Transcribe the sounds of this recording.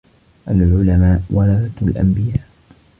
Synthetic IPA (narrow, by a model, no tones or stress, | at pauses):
ʔalʕʊlamaːʔwalad̪aalʔa̰mbɪjaːʔ